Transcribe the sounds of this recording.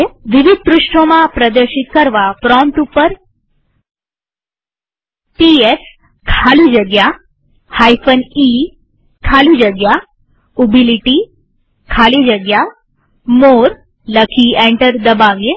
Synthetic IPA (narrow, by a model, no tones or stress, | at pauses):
ʋiʋid̪̚pɾuʃʈʰomãpɾəd̪əɾʃit̪̚kəɾʋapɾɔmʈupəɾ | ʈies | kʰalũd͡ʒəɡja | hajfəni | kʰalũd͡ʒəɡja | ubiliʈi | kʰalid͡ʒəɡja | moɾ | ləkʰiẽɳʈəɾd̪əbaʋje